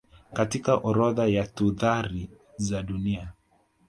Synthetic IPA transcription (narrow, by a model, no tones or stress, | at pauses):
katikaʔɔɾɔðajatuðaɾi | zaɗunia